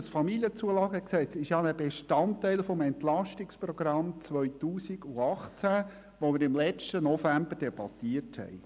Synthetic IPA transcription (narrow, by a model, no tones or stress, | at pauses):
əsfɑmiljət͡suəlɑːɡəksɛt͡sɪʃjɑnəbeʃtɑntæɪlfɔmɛntlɑʃtɪkspɾɔɡ̥ɾɑmt͡sʋœʏtuːsiɡuɑχt͡sæ | ʋomɪɾɪmlɛt͡ʃtənɔfæmbəɾd̥ɛb̥ɑtiəthɛ̰ɪ